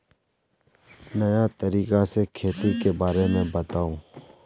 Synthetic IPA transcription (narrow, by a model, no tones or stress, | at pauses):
nɐjat̪əɾiːkasekʰeːt̪ikebaːɾemẽbət̪aːũː